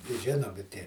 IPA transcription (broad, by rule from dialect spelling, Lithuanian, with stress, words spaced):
ɪ ˈʒʲɪnoːmʲɪ ˈtʲiɛ